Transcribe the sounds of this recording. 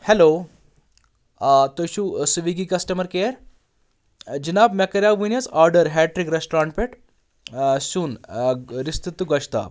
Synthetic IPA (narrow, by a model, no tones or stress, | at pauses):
hɛlo | t̪oɕuːsʋiɡikɐsʈəməɾkeɾ | d͡ʑinapmɛkəɾjaʋinjət͡saɾɖəɾɦɛʈɾikɾesʈoɾãɳʈ̚peʈ | ɕuːnɾist̪it̪ːuɡəɕt̪a̰